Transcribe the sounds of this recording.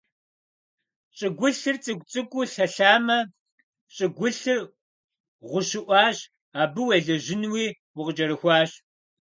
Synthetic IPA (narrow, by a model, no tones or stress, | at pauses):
ɕʼɪɡʷʊɬɨrt͡sʼɨɡʷt͡sʼɨkʷʼʊɬɐɬaːmɐ | ɕʼɪɡʷʊɬɨr | ʁʷʊɕɪʔʷɑːɕ | aːbɨwɐɮɐʒɪnwiː | wʊqd͡ʒɐɾɨxʷɑːɕ